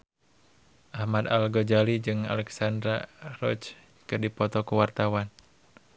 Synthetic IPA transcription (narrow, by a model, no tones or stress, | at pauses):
ʔahmad̪a̰lɡɔd͡ʒalid͡ʒɨŋa̰lɛksandɾarɔt͡ʃ | kɨrdipɔt̪ɔkuwart̪awan